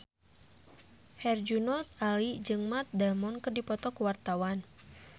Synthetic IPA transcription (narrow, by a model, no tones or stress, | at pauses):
hɛrd͡ʒunɔt̪̚alid͡ʒɨŋmat̪̚damɔnkɨrdipɔt̪ɔkuwart̪awan